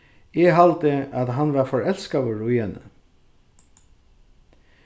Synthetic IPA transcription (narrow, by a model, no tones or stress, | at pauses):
eːɦɑlt̪əʔɑt̪ɦɑnʋɑːfɔɹɛlskɑʋoɹʊiːənə̰